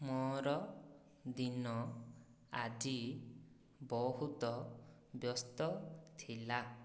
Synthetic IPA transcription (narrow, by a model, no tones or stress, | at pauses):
mɔɾɔ | d̪inɔ | a̰d͡ʒi | bɔɦut̪ɔbjɔst̪ɔt̪ʰila